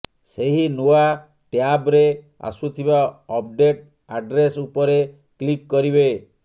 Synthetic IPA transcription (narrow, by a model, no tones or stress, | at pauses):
seɦinua | ʈjabɾe | a̰sut̪ʰibaɔpɖeʈ | aɖɾesupɔɾe | klikːɔɾiβe